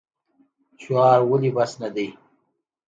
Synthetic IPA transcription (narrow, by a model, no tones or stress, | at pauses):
ɕwɑːɾwəlibasnad̪ij